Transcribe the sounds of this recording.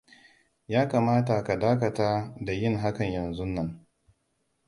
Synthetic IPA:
jaː˦kaː˨maː˦ta˨ka˨daː˦kɐ˨taː˦da˨jɪ˦ŋɦa˦kɐ˨ɲjɐ˨nzu˦nːɐ˦ŋ

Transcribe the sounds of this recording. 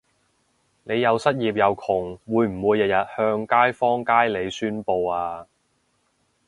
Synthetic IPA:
ne˨˧jːɐ˨˧wsɐ˥t̚jiː˨p̬̚jɐ˨˧wkʰʊ˨˩ŋwuː˨˧jm̩˨˩wuː˨˧jːɐ˨t̚jɐ˨t̚hœː˧ŋkaː˥jfɔː˥ŋkaː˥jle˨˧jsyː˥npo˧waː˧

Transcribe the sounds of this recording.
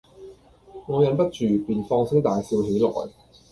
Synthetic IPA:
ŋɔː˨˧jɐ˨˧npɐ˥t̚t͡ʃyː˨˩piː˨nfɔː˧ŋsɪ˥ŋ̚t̪aː˨jsiː˧wɦe˨˥jlɔ̰ː˨˩j

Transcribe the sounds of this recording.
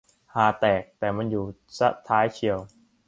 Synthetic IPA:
haː˨˩t̪ɛː˨˩k̚t̪ɛː˨˩ma˧njuː˨˩sa˦˥t̪ʰːaː˦˥jt͡ɕʰi˧əw

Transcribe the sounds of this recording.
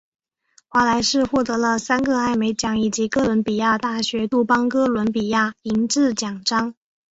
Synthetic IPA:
xwa˧˥la˧˥ɪʂɻ̩˥˧xwɔ˥˩t̪ɤ˧˥lə˧sa˥nɡə˧a˥˩ɪme˧˥ɪt͡ɕjɑ˨˥˩ŋi˨˩t͡ɕi˧˥kɤ˥lwə˧˥npi˨˩ja˥˧t̪a˥˩ɕɥɛ˧˥t̪u˥˩pɑ˥ŋkɤ˥lwə˧˥npi˨˩ja˥˩i˧˥ŋʈ͡ʂɻ̩˥˩t͡ɕjɑ˨˩ŋʈ͡ʂɑ˥ŋ

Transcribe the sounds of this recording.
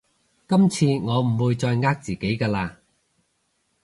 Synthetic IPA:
kɐ˥mt͡sʰiː˧ŋɔː˨˧m̩˨˩wuː˧jt͡sɔː˧jŋaː˧˥k̚t͡siː˨˩ke˨˥jkaː˧laː˧

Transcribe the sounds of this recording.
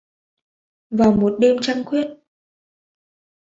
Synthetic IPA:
vaː˨˩wmo˨˩t̚ɗe˧mt͡ɕa˧ŋkwi˦˥ət̚

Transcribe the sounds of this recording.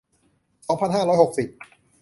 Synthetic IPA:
sɔː˨˦ŋpʰa˨nɦaː˥˩ɾɔː˦˥jho˨˩k̚si˨˩p̚

